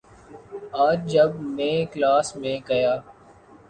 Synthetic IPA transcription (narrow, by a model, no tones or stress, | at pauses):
aːd͡ʒd͡ʒəbmẽːklaːsmẽːɡɐjaː